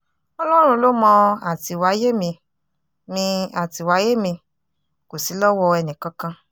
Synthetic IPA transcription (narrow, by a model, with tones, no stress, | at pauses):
ɔ˧lɔ˦ɾ̃ũ˧lo˦mɔ̃˧a˨ti˨wa˨˦je˦mĩ˧ | mĩ˧a˨ti˨wa˨˦je˦mĩ˧ | ko˨si˨˦lɔ˦wɔ˧ɛ˧nĩ˨kã˧kã˧